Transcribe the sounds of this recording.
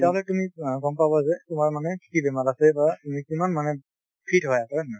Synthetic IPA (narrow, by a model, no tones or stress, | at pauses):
taɦlɔtumiɡɔmpabɔzɛtʊmaɹmanɛkʰkibɛmalasɛbatumikimanmanɛ | pʰitɦɔjakɔma